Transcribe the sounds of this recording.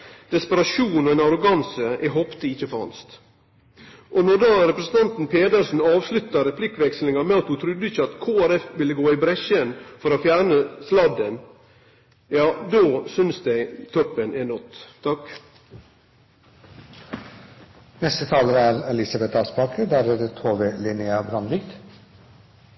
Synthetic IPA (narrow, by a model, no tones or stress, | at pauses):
d̪̥ɛspəɾɑʂuːnɔɛːnɑɾʊɡɑnsəʔɛɦɔpt̪əɪçːəfɾɑ̰nst̪ | ʔɔnɔd̪ɑːɾɛpɾəsən̩t̪ɑnt̪n̩pʰeːd̪əɾsn̩ɑːʋslʉt̪ːɑɾɛpʰlɪkːʋɛkslɪŋɑmɛɑt̪hʊt̪ʰɾʉd̪ːəɪçːəɑt̪kʰoːæɾɛfʋɪləɡoːɪbɾɛʃənfɔɾoːfjæːɾɳəslɑd̪ən | jɑːd̪oːsʏnsd̪æɪt̪ʰɔpːənʔɛnɔt̪ʰːɑk | nɛst̪ət̪ʰɑːləɾæːɾɛlɪsɑbɛt̪ɑːspɑːkəd̪æɾeət̪ʰoːʋelɪnɪɑbɾɑnd̪ɪɡt̪